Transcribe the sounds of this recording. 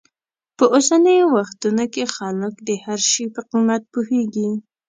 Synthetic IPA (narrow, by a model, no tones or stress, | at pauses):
pəʔosanəjowaxt̪unokexɑlɪkd̪əhaɾʃipəqimat̪̚puheɡi